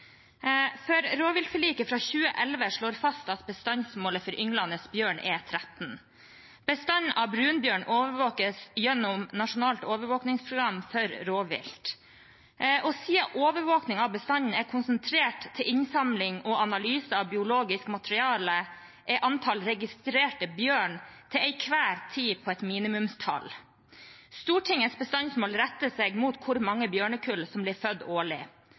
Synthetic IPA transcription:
fœɾɾoːʋɪlt̪fəɭiːkəfɾɑçʉːəʔɛlʋəʂɭoːɾfɑst̪ɑt̪̚bəst̪ɑnsmoːləfɔɾʔʏŋlɑnəsbjøːɳʔɛ̰t̪ʰɾæt̪n | b̥əst̪ɑnʔɑbɾʉːnbjøːɳoːʋəɾʋoːkəsjɛnːʊmnɑʂʊnɑːlt̪oːʋəɾʋoːknɪŋspʰɾʊɡɾɑmfœɾɾoːʋɪ̰lt̪ | ɔsiːɑʔoːʋəɾʋoːknɪŋɑʋbəst̪ɑɲn̩æɾkʰʊnsənt̪ʰɾeːʈt̪ʰːɪlʔɪnsɑmlɪŋɔʔɑnɑlyːsəɑʋbɪʊloːɡɪskmɑt̪əɾɪɑːlə | ʔɛʔɑnt̪ʰɑlɾɛɡɪst̪ɾeːʈəbjøːɳt̪ʰɪlɛɪkʰʋæːɾt̪ʰiːpʰɔɛt̪miːnɪmʉmst̪ʰɑ̰l | st̪uːʈʰɪŋəsbəst̪ɑnsmoːlɾɛt̪ːəseɡmuːt̪kʰʊɾmɑŋːəbjøːɳəkʰʉlsɔmblɪːɾfœd̪ːoːɭɪ̰

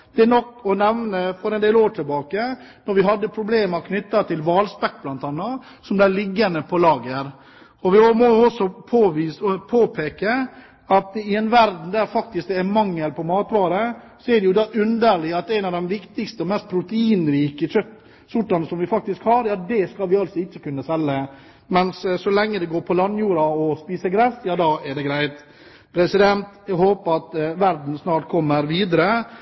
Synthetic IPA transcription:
d̪̥ɛænɔkːɔnɛʋnəfɔɾɛnd̪eːloːʈʰɪlbɑːkə | nɔɾʋɪɦɑd̪ːəpʰɾʊbleːməɾkʰnʏt̪ːɑt̪ʰɪlʋɑːlspɛkːblɑnt̪ɑnːɑ | sɔmd̪ælɪɡːɑnd̪əpʰɔlɑːɡəɾ | ɔʋɪmɔjʊɔsɔpʰoːʋiːspʰoːpʰeːkə | ɑt̪̚ɪɛnʋæɾd̪n̩d̪æɾfɑk̚t̪ɪsk̪ɛmɑŋːəlpʰɔmɑːt̪ʋɑːɾə | sɔɛɖɛjʊd̪ɑːʔʉnd̪əɾɭɪɑt̪æɪnɑʋd̪ɛmʋɪkt̪ɪkst̪əɔmɛst̪̚pʰɾʊt̪əiːnɾiːkəçœt̪ː | sʊʈːɑnsɔmʋɪfɑk̚t̪ɪskhɑɾɛɑt̪̚d̪ɛskɑlʋɪɑlsɔɪçːəkʉnːəsɛlːə | mɛnssɔlɛŋːəd̪ɛɡoːɾpʰɔlɑnːjuːɾɑɔspiːsəɾɡɾɛsjɑːd̪ɑːɛɖɛɡɾæɪt̪ | pʰɾɛsɪd̪ɛnt̪æhoːpəɾɑt̪ʋæɾd̪n̩snɑːʈ̚kʰɔmːəɾʋiːd̪əɾə

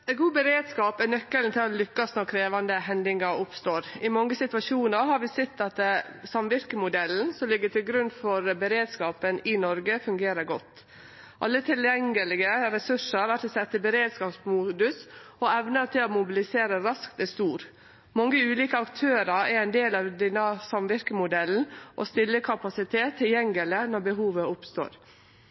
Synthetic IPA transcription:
ɛɡuːbəɾeːd̪skɑːpɛnœkːəlt̪ʰɪlɔlʏkːɑsnɔɾkʰɾeːʋɑnd̪əɦɛnd̪ɪŋəɾʊpst̪oːɾɪmɔŋːəsɪt̪ʋɑʂuːnəɾɦɑɾʋɪsɛt̪ːɑt̪sɑmʋɪɾkəmʊd̪ɛln̩sɔmlɪɡːət̪ʰɪlɡɾʉnːfɔɾbəɾeːd̪skɑːpənɪnɔɾɡəfʉŋɡeːɾəɾɡɔt̪ː | ʔɑlːət̪ʰɪljɛŋːəlɪɡəɾɛsʉʂəɾʋæt̪əsɛt̪ːəbəɾeːd̪skɑːpsmuːd̪ʉsɔɛʋnət̪ʰɪlɔmʊbɪlɪseːɾəɾɑskt̪ɛst̪uːɾ | mɑŋːəʉːliːkəɑkt̪ʰøːɾɑɾɛɾɛɪnd̪eːlɑʋd̪ɛnːəsɑmʋɪɾkəmʊd̪ɛln̩ʔɔ̰st̪ɪlːəkʰɑpɑsɪt̪ʰeːt̪ʰːɪljɛŋɡələnɔɾbəɦuːʋəʊpst̪o̰ːɾ

